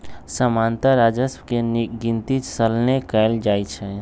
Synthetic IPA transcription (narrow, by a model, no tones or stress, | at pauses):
səmant̪əɾad͡ʒəskenɡint̪it͡ʃsəlnekɛɪld͡ʒajt͡ʃʰɛ